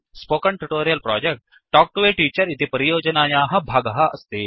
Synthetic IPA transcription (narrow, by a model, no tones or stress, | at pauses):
spokəɳʈuʈoɾijəlpɾɔ̰d͡ʑek̚ʈ | ʈɔk̚ʈuʋeʈiːt͡ɕəɾit̪epəɾijod͡ʑənajaɦɐbʱaɡɦəəst̪e